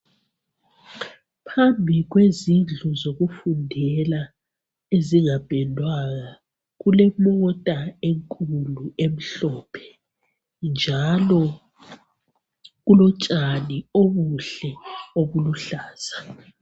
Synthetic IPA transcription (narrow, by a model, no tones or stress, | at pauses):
pʰambʱiɣwezinɮʱuzoɣufundʱɛla | eziŋab̥ʱɛndʱwaɣa | ɣulɛmɔtʼaeŋkʼuluem̩ɬɔːpʰɛ̥ | nd͡ʒʱalɔ | ɣulɔt͡ʃʼanioβuɬɛoβuluɬaːz̥a